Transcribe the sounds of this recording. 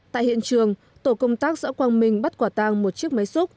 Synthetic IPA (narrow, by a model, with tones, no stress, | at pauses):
t̪a̰ː˧˨hḭ˧˨ənt͡ɕɨ˨˩əŋ | t̪o˧˩kə˧wŋ͡mt̪aː˦˥k̚za̰ː˧˥kwaː˧nmï˨˩ŋ̟ɓa˦˥t̚kwaː˧˩t̪aː˧ŋmo˨˩t̚t͡ɕi˦˥ək̚ma˨˦jsu˦˥t̚